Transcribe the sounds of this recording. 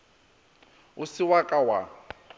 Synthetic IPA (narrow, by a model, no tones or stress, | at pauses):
ʊsɪwakʼawa